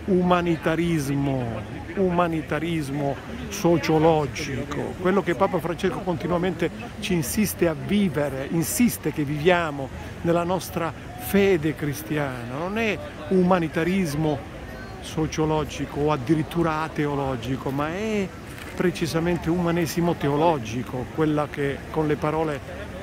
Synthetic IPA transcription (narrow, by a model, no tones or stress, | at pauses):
umanit̪aɾizmo | umanit̪aɾizmo | sot͡ʃolɔd͡ʒikʰo̰kwelːok̟epːaːpafɾant͡ʃeskokont̪inuament̪e | t͡ʃinsist̪eavːiːveɾeʔinsist̪ekevːivjaːmo | nelːanɔst̪ɾa | fɛːd̪ekɾist̪jaːnanonɛ | umanit̪aɾizmo | sot͡ʃolɔːd͡ʒikoːad̪ːiɾit̪ːuːɾaat̪eolɔːd͡ʒikomaɛ | pːɾet͡ʃizament̪eumanɛːzimot̪eolɔd͡ʒikokwelːakekːonlepaɾɔːle